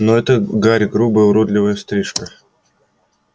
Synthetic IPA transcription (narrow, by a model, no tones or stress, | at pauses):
noɛt̪əɡaɾʲɡɾubəjʊɾod̪lʲɪvəjəst̪ɾʲiʂkə